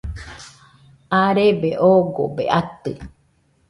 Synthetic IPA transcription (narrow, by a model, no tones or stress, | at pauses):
aɾebeʔoɡobḛʔat̪ɨ